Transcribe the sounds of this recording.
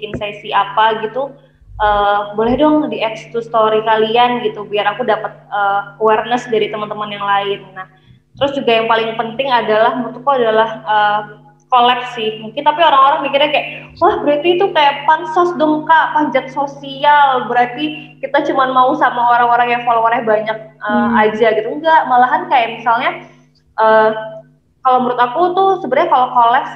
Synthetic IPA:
insasiapaɡit̪u | ʔəːbolɛhdɔŋdiɛkst̪ust̪oɾikalianɡit̪ubiaɾakudapət̪̚əːkowɛrnəsdaɾit̪əmənt̪əmənjaŋlaɪnːah | t̪əɾʊsd͡ʒuɡajaŋpalɪŋpənt̪ɪŋadalahmuŋt̪ukuadalahəː | kolɛp̚sɪhmuŋkɪnt̪apioɾaŋoɾaŋmikɪrɲakajaʔsolahbəɾat̪it̪ukajaʔpansɔsdəmkapad͡ʒat̪̚sosialbəɾart̪ikit̪at͡ʃumanmausamaaɾawaɾajaʔfolowaɾɛhbaɲak̚əad͡ʒaɡit̪uŋɡaʔmalaɦankajaʔmisalɲa | ʔəː | kalowməɾʊt̪akut̪usəbəɾɲakalokolɛps

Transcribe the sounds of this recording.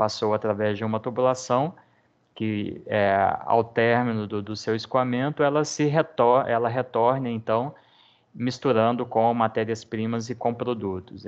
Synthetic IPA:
pasowat̪ɾavɛzd͡ʒɪũmɐt̪ubulasɐ̃w̃ | kɪɛa̰wt̪ɛɾminʊd̪ʊd̪ʊsewɪskuamẽnt̪ʊɛlɐsɪɦet̪ɔɾʔɛlɐɦet̪ɔɾnɪẽnt̪ɐ̃w̃ | mist̪uɾɐ̃nd̪ʊkõmat̪ɛɾiɐspɾĩmɐzɪkõpɾod̪ut̪ʊs

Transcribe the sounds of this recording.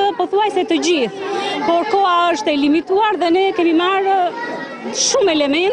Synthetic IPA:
əpɔθuajsɛt̪əd͡ʑiθpɔɾkɔaəʃt̪ɛlimit̪uaɾðɛnɛkɛmimaɾ | ʃumɛlɛmɛn

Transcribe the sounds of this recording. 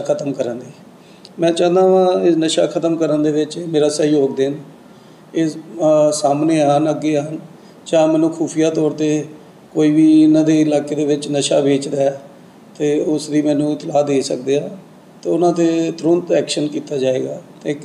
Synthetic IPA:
kʰət̪əmkəɾənd̪e | mɛ̃ːt͡ʃãːnd̪aːʋãːɪnəʃaːkʰət̪əmkəɾənd̪eːʋɪt͡ʃːmeːɾaːsəjoːɡ̚d̪ɪn | ɪ | saːmneːɦənəɡːeːən | t͡ʃaːmɛ̃ːnũːkʰuːpʰijaːt̪ɔːɾt̪eː | koːiːbiːnãːd̪eːɪlaːkeːd̪eːʋɪt͡ʃnəʃaːbeːt͡ʃd̪aɛː | t̪eːʊsd̪iːmɛ̃ːnũːt̪ɪlaːd̪eːsə̰k̚d̪eːãː | t̪eːʊnãːt̪eːt̪ɾʊnt̪ɛːkʃənkiːt̪aːd͡ʒaːeːɡaːt̪eː

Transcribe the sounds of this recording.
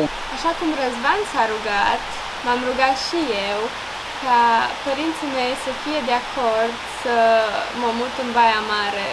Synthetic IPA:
aʃakumrəzvansaɾuɡat̪ | mamruɡat̪ʃije̞w | kapəɾint̪sime̞jsəfije̞d̪eakʰo̞rd̪səməmut̪ɨnbajamaɾe̞

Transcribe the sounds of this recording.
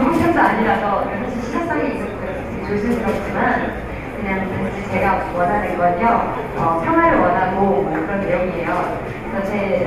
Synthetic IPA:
boɕʰʌndoaɲiɾasʰʌkesʰoɕʰiɕʰid͡ʑak̚s͈aɡid͡ʑomkɯɾʌtʰet͡ɕosʰɯɯɾʌk̚t͡ɕ͈iman | kɯɲaŋtaŋd͡ʑʰit͡ɕe̞ɡawʌnanɯnɡʌɲo | ʌpʰjʌŋɦwaɾɯɭwʌnaɡomwʌkɯɾʌnːe̞joŋiejo | t͡ɕʌt͡ɕʰe

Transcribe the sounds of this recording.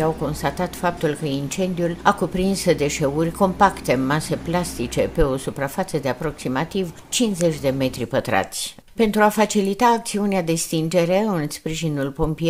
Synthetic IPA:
awko̞nst̪at̪at̪fap̚t̪ulkəint͡ʃe̞nd̪iulakupɾinsd̪e̞ʃe̞urʲko̞mpakt̪e̞mase̞plast̪it͡ʃe̞pe̞o̞supɾafat̪səd̪e̞apɾo̞ksimat̪iv | t͡ʃinze̞t͡ʃʲd̪e̞me̞t̪ɾipət̪ɾa̰t̪sʲ | pe̞nt̪ɾuafat͡ʃilit̪aːk̚t̪siunead̪e̞st̪ind͡ʒe̞ɾe̞ɨnspɾiʒinulpo̞mpie

